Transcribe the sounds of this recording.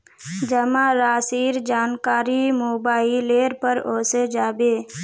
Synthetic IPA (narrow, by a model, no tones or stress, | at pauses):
d͡ʒəmaɾaːsiːɾd͡ʒaːnkaːɾimoːbaːileːɾpəɾoːsed͡ʒaːbeː